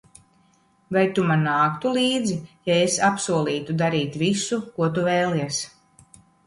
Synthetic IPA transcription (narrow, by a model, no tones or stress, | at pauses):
vajt̪umanːaːkt̪ulˠiːd̪zijaesapsuɔlˠiːt̪ud̪aɾiːt̪visukuɔt̪uvɛjlˠiɛs